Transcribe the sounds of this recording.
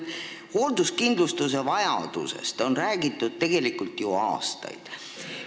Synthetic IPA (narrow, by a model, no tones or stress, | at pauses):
ho̞ːld̪uskind̪lust̪use̞vɑjɑ̰d̪̥ṵsḛst̪o̞nræːɡ̥it̪ːˑud̪̥̚t̪e̞ɡ̥e̞likˑult̪juɑ̰ːst̪ɑ̰jd̪̥